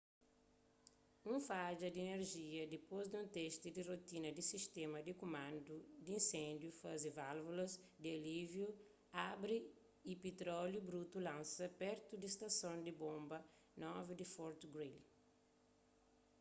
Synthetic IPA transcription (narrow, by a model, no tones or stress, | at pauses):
ũfad͡ʒɐd̪ieneɾʒiɐd̪ipozd̪ũnt̪ɛʃt̪id̪irot̪inɐd̪isiʃt̪ɛmɐd̪ikomãnd̪ud̪iĩnsẽnd̪jufazivalvulɐz | d̪ialivju | abɾiː | pet̪ɾɔljubɾut̪ulãnsɐpɛɾt̪ud̪ist̪ɐsõnd̪ibõmbɐ | nɔvid̪ifɔɾt̪ɡɾil